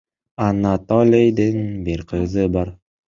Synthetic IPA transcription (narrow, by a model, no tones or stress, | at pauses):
ɑnat̪olʲijd̪ɪnbiɾqʰɯzɯbɑɾ